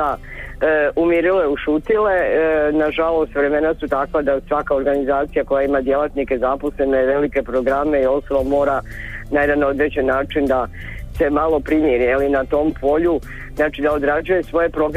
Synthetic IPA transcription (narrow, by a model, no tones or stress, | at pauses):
a | umiɾileuʃuːt̪ile̞naʒalˠo̞st̪ʋɾe̞me̞nasut̪akʋad̪asʋakao̞ɾɡanizaːt̪sijako̞jaimad̪je̞lˠat̪nike̞zaposle̞neʋe̞like̞pɾoɡɾame̞io̞st̪obamo̞ːɾanaje̞d̪ano̞d̪ɾet͡ɕenːaːt͡ʃind̪a | se̞malo̞pɾimjeɾijelinat̪o̞ːmpʰo̞ʎu | znat͡ʃid̪ao̞d̪ɾad͡ʒuje̞sʋo̞je̞pɾo̞ɡɾ